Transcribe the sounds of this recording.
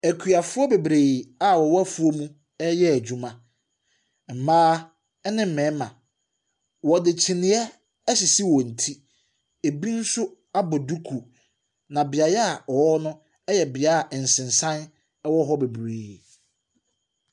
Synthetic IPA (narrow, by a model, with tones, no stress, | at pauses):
æ˨kʰɥa˨fʊ˦ɔ˦be˨bɾeː˨a˨wɔ˨wɔ˦æ˦fu˦o˦mũ˦ | ɛ˦jɛ˦æ˨d͡ʑᶣu˦mã˨ | m̩˨mãː˦ | ɛ˦nɪ̃˦m̩˨mɛ̃˨˦mã˨ | wɔ˨dɪ˨t͡ɕʰɪ˨nɪ̃˨˦ɛ˦ | ɕɪ˨si˦wɔ̃˨n̩˨tʰi˦ | e˨bi˦n̩˦sʊ˦ | a˦bɔ˨du˦kʰu˨ | nã˨bɪ˨a˨jɛ˦a˨ɔ˨wɔ˦nʊ̃˦ | ɛ˦jɛ˨bɪ˨a˦a˨ʔn̩˨sɪ̃˨nsã˦n˦ | wɔ˦ɦɔ˦be˨bɾeː˨